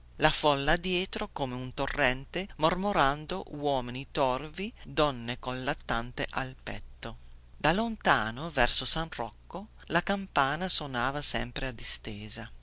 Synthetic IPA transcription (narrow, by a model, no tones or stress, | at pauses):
lafɔlːad̪ːjɛːt̪ɾokomeunt̪orːɛnt̪emormoɾand̪owɔːminit̪ɔrvid̪ɔnːekonlat̪ːant̪eʔalpɛ̰t̪ːod̪alont̪aːnovɛrsosanrɔ̰kːo | lakampaːnasonaːvasɛmpɾead̪ist̪eːza